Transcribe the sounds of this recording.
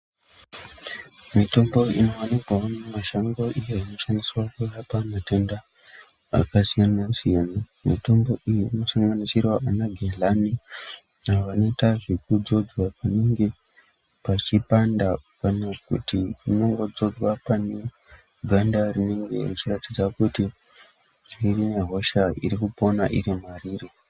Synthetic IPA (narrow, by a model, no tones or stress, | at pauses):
mito̞mbo̞ino̞anipaonamaʃaŋɡo̞ʔijoino̞ʃandiswakujapamatenda | a̰kasijananerusijana | mito̞mbo̞ʔijinosaŋɡanisiraanaɡʱelani | aʋano̞itaʐikud͡zo̞d͡zwapane̞ŋɡe̞ | pat͡ʃipandakanakṵtirino̞ŋɡo̞d͡zo̞d͡zwapane̞ | ɡʱandarine̞ŋɡe̞̰rit͡ʃiratid͡zakuti | ririmeɦo̞ʃaḭɾikupo̞naʔiɾimariːre